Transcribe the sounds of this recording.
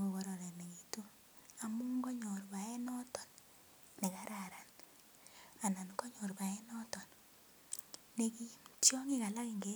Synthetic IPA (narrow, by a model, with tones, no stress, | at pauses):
o˨ɣo˨ɾo˨ɾɛ˨ne˨ɣi˨to˦ | a˨mu˦ŋɡo˦ɲɔ˨ɾβa˨ɛ˦nɔ˦tɔ˨n | ne˨ka˦ɾa˨ɾa˨n | a˨na˨nko˦ɲɔ˨ɾβa˨ɛ˦nɔ˦tɔ˨n | ne˨ki˦tjo˦ŋi˦ka˨la˦ke˨ŋɡe˦